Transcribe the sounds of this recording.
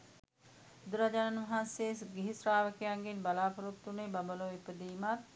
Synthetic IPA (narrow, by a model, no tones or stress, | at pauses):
d̪uɾad͡ʒanɐnʋɐɦansesɡiɦisɾaːʋəkejaŋɡenbalaːpɐɾut̪ːunebɐmbəloipəd̪iːmat̪̚